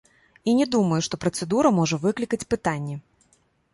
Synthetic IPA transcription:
inʲɛd̪uməjuʂt̪ɔpɾɐt̪sɛd̪uɾɐmɔʐɐvɨklʲikɐt͡sʲpɨt̪anʲːɛ

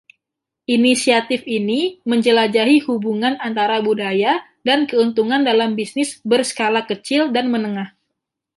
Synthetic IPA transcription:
ʔinisiat̪ɪfiniməɲd͡ʒəlad͡ʒaɦihubuŋanant̪aɾabudaja | dankəunt̪uŋandalambisnɪsbərsə̥kalakət͡ʃɪldanmənəŋah

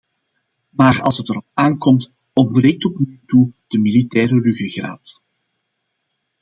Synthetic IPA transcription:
maːrɑ̰lˠsətəɾɔp̚aːnkɔmt | ɔnbreːk̚tɔpnyyːtud̥əmilitɛːɾəryɣəɣra̰ːt

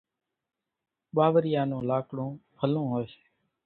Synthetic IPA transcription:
ɓaːʋɾɪjaːnõːlaːkɽõːpʰəlõːɦoːse̥ː

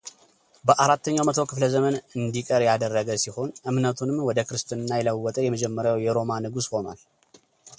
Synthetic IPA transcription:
bəʔaɾat̪ʰːəɲːawmət̪ʰo̞kʰɨfləzəmənɨnd̪ikʼəɾjad̪ərːəɡəsiho̞nʔɨmnət̪ʰunɨmwɔd̪əkɾɨst̪ɨnɨnːajɛləwːɔt̪ʼəjɛməd͡ʒɛmːəɾjawjɛɾo̞manɨɡusho̞na̰l

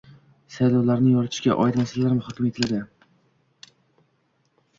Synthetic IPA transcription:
sajlɒwlaɾnɪjɒɾt̪ʰɪʃkʲa̰ʔɒ̰ɪd̪masalaɾmɪhɒkʲɪmjet̪ʰɪlad̪ɪ

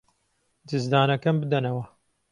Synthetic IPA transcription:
d̪ɨzd̪aːnɐkɐmbɨd̪ɐnɐwɐ

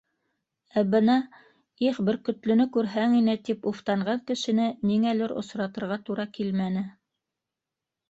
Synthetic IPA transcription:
æbɤnɑ | iχbɘɾkɵ̆t̪lɵ̆nɵkʉɾɦæŋinɘt̪ipuft̪ɑɴɢɑŋkɘ̆ʃɘ̆nɘniŋælɘɾŏ̰sɾɑt̪ɤ̆ɾʁɑt̪uɾɑkilmænɘ

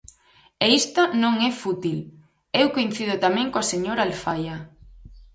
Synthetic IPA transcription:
eist̪anõŋɛfut̪il | ewkoin̟θiðʊt̪amɛ̃ŋkoaseɲoɾaːlfajɐ

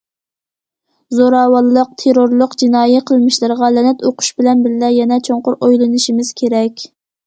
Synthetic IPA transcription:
zoɾɑːwɑlˠːəq̚t̪ʰeɾoɾlˠʊqd͡ʒinɑːjɛqʰəlˠmɪʃlˠɨɾʁɑlɛnɛt̪oqʰʊ̥ʃbɪlɛnbɪɾlɛjɛnɛt͡ʃʰoɴqʊɾojlˠɨnɨʃimɪz̥kʲʰeɾɛkʲ

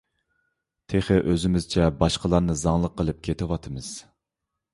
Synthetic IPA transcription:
t̪ʰeχɪʔøzɪmɪzt͡ʃʰɛbɑʃqəlˠɑɾnɨzɑŋlˠəqːəlˠɨp̚kʲʰet̪ʰɪwɑt̪ʰɨmɨz̥

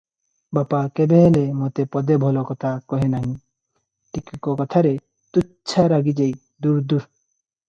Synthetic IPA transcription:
bapakebeɦlemot̪epɔd̪ebʱɔlɔkɔt̪ʰakɔɦenaɦĩ | ʈikikɔkɔt̪ʰaɾe | t̪utːt͡ʃʰaɾaɡid͡ʒej | d̪uɾd̪uɾ

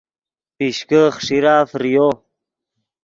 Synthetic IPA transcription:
piɕkəχʂiɾaːfɾijo

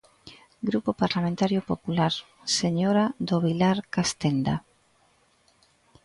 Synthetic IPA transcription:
ɡɾupopaɾlamẽnt̪aɾjopopulaɾ | seɲoɾad̪oβilaɾkast̪end̪a

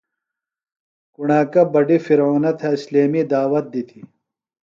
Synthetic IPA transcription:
kuɳaːkɐbɐɖifiɾoːnɐt̪ʰɐisleːmid̪aːwɐt̪̚d̪it̪ʰi

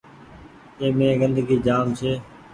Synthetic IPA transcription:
ẽːmẽːɡə̃nd̪ɡiːd͡ʒaːmt͡ʃʰeː

